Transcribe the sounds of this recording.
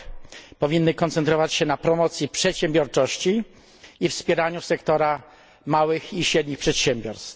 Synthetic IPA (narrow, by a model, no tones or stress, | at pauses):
pɔvʲinːɘkɔnt̪sɛnt̪ɾɔvat͡ɕɕɛnapɾɔmɔt̪sʲjipʂɛt̪ɕɛmbʲjɔɾt͡ʂɔɕt͡ɕiː | fspʲjɛɾaɲusɛkt̪ɔɾa | mawɘxiɕɾɛd̪ʲɲixpʂɛt̪ɕɛmbʲjɔɾst̪